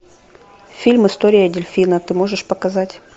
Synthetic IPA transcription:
fʲilʲmɨst̪oɾʲɪjədʲɪlʲfʲinət̪ɨmoʐɨʂpɐkɐzatʲ

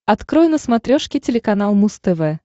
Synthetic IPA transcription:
ɐt̪kɾojʊnəsmɐt̪ɾʲoʂkʲɪtʲɪlʲɪkɐnalˠmust̪ɛvɛ

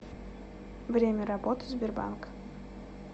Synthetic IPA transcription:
vɾʲemʲɛɾɐbɔt̪ɨzʲbʲɪrba̰nk

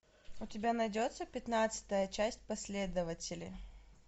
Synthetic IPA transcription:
ʊtʲɪbʲanɐjdʲo̞t̪səpʲɪt̪nat̪sɨ̥t̪əjət͡ɕæsʲt̚ʲpɐsʲlʲed̪əvətʲɪlʲɪ̰

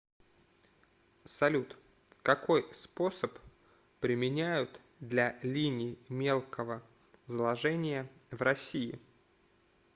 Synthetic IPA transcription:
sɐlʲut̪ | kɐko̞jspo̞səp | pɾʲɪmʲɪnʲæjʊt̪ | d̪lʲalʲinʲɪːmʲe̞lˠkʰəvə | zlˠɐʐɛnʲɪjəvrɐsʲiɪ̰

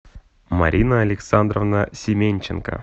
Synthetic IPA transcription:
ma̰ɾʲʔinaːlʲeksand̪rovnasʲemʲenʲt͡ɕɪnkə̰

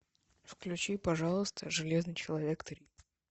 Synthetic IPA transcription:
fklʲʉt͡ɕipɐʐɑlˠəst̪ʰəʐɨlʲeznɨjt͡ɕɪlˠɐvʲekt̪əɾʲi

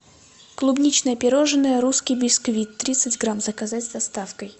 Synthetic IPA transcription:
klˠʊbnʲit͡ɕnəjəpʲɪɾoʐɨnːəjəɾuskʲɪjbʲɪskvʲit̪ːɾʲit̪sɨtʲɡɾamzəkazatʲzd̪ɐst̪afkəj

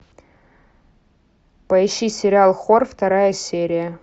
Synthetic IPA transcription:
pɐɪɕːisʲɪɾʲɪalˠxorft̪ɐɾajəsʲeɾʲɪjə

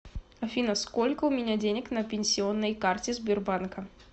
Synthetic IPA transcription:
ɐfʲinɐskɔlʲkɐʊmʲɪnʲad͡zʲenʲəknɐpʲɪnʲsʲiɔnːəjkart͡sʲɪzʲbʲɪrbankɐ

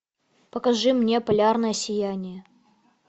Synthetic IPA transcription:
pəkɐʐɨmnʲe̞pɐlʲarnəjəsʲɪjænʲɪjə

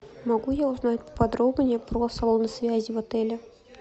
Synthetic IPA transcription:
mɐɡujaʊznatʲpə̥pɐd̪ɾobnʲɪjəpɾosɐlˠvnəsvʲæzʲɪvɐt̪ɛlʲɪ

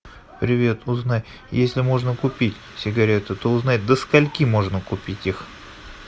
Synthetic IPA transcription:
pɾʲɪvʲe̞t̪ʊznaj | jesʲlʲɪmo̞ʐnəkʊpʲitʲ | sʲɪɡɐɾʲe̞t̪ɨt̪o̞ʊznatʲd̪əskɐlʲkʲimo̞ʐnəkʊpʲitʲix

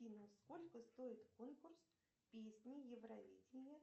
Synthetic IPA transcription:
inəsko̞lʲkəst̪o̞ɪt̪konkʊrs | pʲesʲnʲɪjɪvrɐvʲidʲɪnʲɪjə

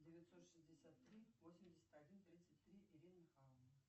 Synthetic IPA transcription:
dʲevʲɪt̪ʲsot̪ʂɨzʲdʲɪsʲat̪ːɾʲivosʲɪmʲdʲɪsʲɪ̥t̪adʲint̪ɾʲit̪sɨtʲt̪ɾʲiʔiɾʲinmʲɪxɑlˠəvnə

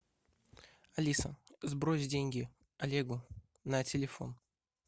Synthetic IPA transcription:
ɐlʲisə̰zbɾosʲdʲenʲɡʲɪ | ɐlʲeɡʊ | nɐtʲɪlʲɪfo̞̰n

